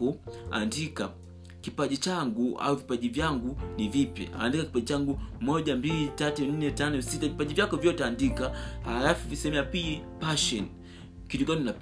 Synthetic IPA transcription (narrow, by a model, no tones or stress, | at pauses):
ua̰ndika | kipaʄit͡ʃaŋɡua̰uvipaʄivjaŋɡunivipɛ̰a̰ndikaki̥paʄit͡ʃaŋɡumɔʄambilitatun̩nɛtanɔsitavipaʄivjakɔvjɔtɛandikahalafuvisɛɛmiapipaʃɔn | kitɔkanina